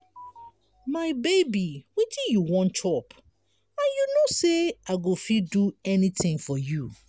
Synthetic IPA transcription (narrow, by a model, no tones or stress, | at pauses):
maɪbeɪbiwitʰĩjuwɔ̃nt͡ʃʰɔp | ãnjunoseaɡofiduɛnĩtɪ̃ŋfɔju